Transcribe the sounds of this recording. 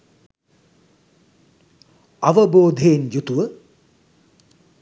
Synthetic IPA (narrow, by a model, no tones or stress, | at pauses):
aʋəboːd̪ʱejːnjut̪uʋə